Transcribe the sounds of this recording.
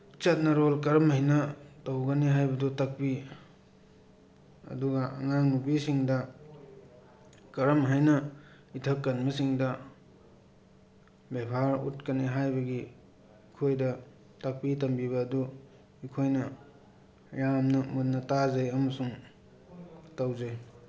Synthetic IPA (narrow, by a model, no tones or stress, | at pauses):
t͡ʃɐt̚nɐɾolkɐɾɐmhɐjnɐtowɡɐniɦajbɐdutɐk̚pi | ɐ̰duɡɐɐ̰ŋaŋnubisiŋdɐ | kɐɾɐmɦajnɐ | itʰɐkːɐnmɐsiŋdɐ | bebʱaɾutkɐniɦajbɐɡi | ikʰojdɐ | tɐk̚pitɐmbiβɐːdu | ikʰojnɐ | jamnɐmut̚nɐtazɐjɐmɐsuŋ | tawzaj